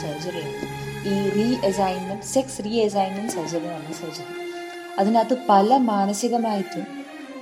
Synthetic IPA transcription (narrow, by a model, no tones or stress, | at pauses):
sɐd͡ʑɐɾeiːriːesajnmɐnseksriːesajnːɐnsɐd͡ʑɐɾɐmaːɳɨsɐd͡ʑɐɾɐ | ɐðinaːt̪ːɨpɐlɐmaːnɐsiɣɐmaːjitːu